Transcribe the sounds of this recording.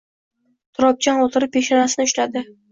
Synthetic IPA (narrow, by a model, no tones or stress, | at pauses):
t̪ʰʊɾɒp̚t͡ʃʰanɒt̪ʰɪɾɪpʰʲːeʃanasɪnɪʊʃlad̪ɪ